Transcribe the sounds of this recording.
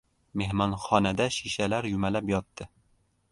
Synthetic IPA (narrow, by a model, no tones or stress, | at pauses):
mehmɒnχɒnad̪aʃiʃalaɾjʊmalapjɒt̪ːɪ